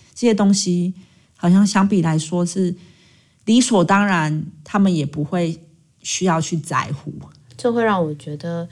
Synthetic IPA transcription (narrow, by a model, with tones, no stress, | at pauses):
ʈ͡ʂə˥˧˩ɕɛ˥t̪o˥ŋɕi˦ | xɑ˨˩ɕjɑ˥˩ŋɕjɑ˥ŋpi˨˩la˨˧˦ɪʂwɔ˦ʂɻ̩˥˨ | li˧˥swɔ˨˩t̪ɑ˥ŋɻa˨˦nt̪ʰa˥mə˨njɛ˨˩pu˨˦xwe˥˨ɪ | ɕy˥jɑ˥˧ʊt͡ɕʰy˥˩t͡sa̰˨˧˦ɪxṵ˨˦ | t͡ɕo˥˧xwe˥˧ɪɻɑ˥˩ŋwɔ˨˩t͡ɕɥɛ˧˥d̪ə˨